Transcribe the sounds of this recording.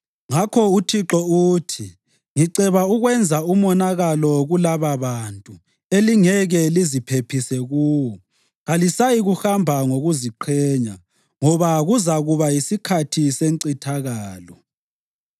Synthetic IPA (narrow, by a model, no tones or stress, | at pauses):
ŋakʰɔutʰiǁɔutʰi | ŋiǀɛβauɣwɛnd͡zʱaumɔnaɣalɔɣulaβaβantʼu | eliŋɛɣɛlizipʰepʰisɛɣuːwɔ | ɣalisajiɣuxambʱaŋoɣuziǃʰɛːɲa | ŋɔβaɣuzaɣuβajisikʰatʰiseŋǀitʰaɣaːlɔ